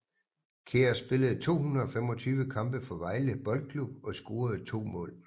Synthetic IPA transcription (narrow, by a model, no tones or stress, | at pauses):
kʰeɐsb̥e̝ləð̞̩ˠt͡sʰo̝̰ːhunʁɐɒ̽femɒ̽t͡sʰyːʋəkʰɑ̈mb̥əfɒ̽ʋɑ̈ɪləb̥ɒ̽lɡ̥̚kʰlub̥̚ɒ̽sɡ̥o̝ːɐð̩ˠt͡sʰo̝̰ːmɔ̰̽ːl